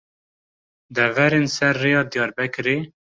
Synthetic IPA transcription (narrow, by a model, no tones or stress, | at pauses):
d̪ɛvɛɾensɛɾːejɑːd̪ijɑːɾbɛkɾe